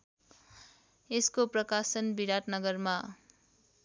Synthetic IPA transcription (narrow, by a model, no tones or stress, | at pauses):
eskoprʌkasʌnbiɾat̪nʌɡʌrma